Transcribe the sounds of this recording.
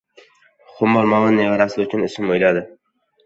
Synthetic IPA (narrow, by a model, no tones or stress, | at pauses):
χʊmːɒlˠmawɪnːejɒɾasɪʊt͡ʃʰʊnʊsɪmojlad̪ɪ